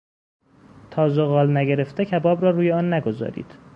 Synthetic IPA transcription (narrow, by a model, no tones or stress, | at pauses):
t̪ʰɒːzoɣɒːlnæɟeɾe̞ft̪ecʰæbɒːbɾɒːɾuːjeɒːnːæɡo̞zɒ̰ːɾḭːd̪̥